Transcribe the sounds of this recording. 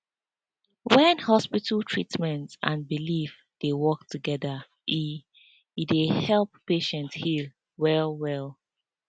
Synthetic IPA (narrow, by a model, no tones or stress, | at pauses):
wɛ̃nhɔspitʰəltʰɹitmɛ̃ntãnbilif | d̥ewɔk̚tuɡɛðə | ʔi | idehɛlˠp̚ːeʃɛ̃nthil | wɛlwɛlˠ